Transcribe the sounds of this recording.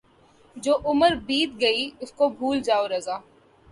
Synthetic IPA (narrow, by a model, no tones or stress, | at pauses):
d͡ʒoːʔʊməɾbiːt̪ɡɐiʊskobʱuːld͡ʒaːoɾɐzaː